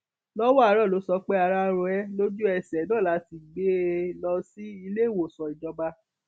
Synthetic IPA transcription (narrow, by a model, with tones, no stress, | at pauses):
lɔ˦wɔ˦a˨˧ɾɔ˦˨lo˨˦sɔ˧˦k͡pe˦a˧ɾa˧ɾɔ˧ɛ˦lo˦d͡ʒu˦ɛ˧˨sɛ˨nɔ̃˦˨la˨˧˦ti˨ɡ͡be˨˦lɔ˧si˦i˧le˦˨wo˨sɔ˨i˨d͡ʒɔ˧ba˧